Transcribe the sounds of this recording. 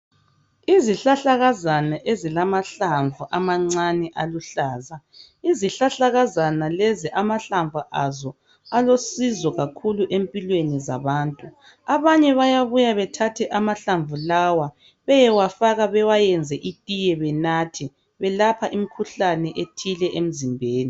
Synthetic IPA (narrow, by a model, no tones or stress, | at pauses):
iziɬaɬaɣazanaʔezilamaɬaɱvʱuʔamaŋ͡ǀanɛʔaluɬaːza | iziɬaɬaɣazanalɛziʔamaɬaɱvʱuʔazɔ | alosizɔɣakʰuluʔempʼilweniza̰βaːntʼu | aβaɲɛβajaβujaβɛtʰatʰɛʔamaɬaɱvulawa | βɛjɛwafaɣaβɛwajɛnd͡zʱɛʔitʼijɛβɛnatʰi | βɛlapʰaʔim̩kʰuɬanɛʔetʰilɛʔem̩zimbʱeːni